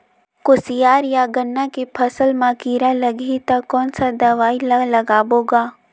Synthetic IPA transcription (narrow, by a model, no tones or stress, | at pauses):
koːsijaːɾjaɡənːakepʰɐsəlmãkiːɾalɐɡit̪akːɔːnsad̪ɐʋaːillɐɡaːboːɡaː